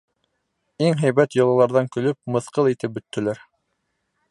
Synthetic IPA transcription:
iŋɦæjβæt̪jŏlˠɑlˠɑɾðɑŋkɵ̆lɵp̚mɤ̆θqɤlˠit̪ɘp̚bɵ̆t̪ːɵ̆læɾ

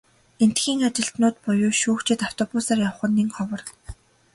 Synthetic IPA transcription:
en̥t̪xiːŋat͡ɕɪ̆ɬt̪nʊːt̪pʊjʊːʃuːxt͡ɕʰɪ̆t̪aw̥t̪ʰɔpʊsaːrjaw̆χə̆nːiːŋχɔwɞ̆r

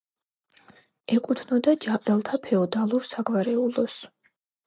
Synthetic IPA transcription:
ɛkʼut̪ʰnɔd̪ad͡ʒaqʼɛlˠt̪ʰapʰɛɔd̪alˠuɾsaɡvaɾɛulɔs

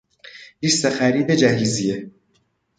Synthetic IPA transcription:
liːst̪exæɾiːd̪ed͡ʒæɦiːzije

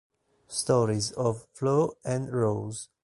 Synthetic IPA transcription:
stɔɹizɔvfloɛ̃nɹoz

